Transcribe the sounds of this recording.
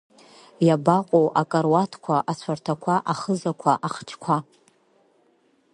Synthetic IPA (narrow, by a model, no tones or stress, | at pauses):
jabaqʷʼowʔakʼarwatʰkʷʰaʔat͡ɕʷʰartʰakʷʰaʔaχəzakʷʰaʔaχt͡ʃʰkʷʰa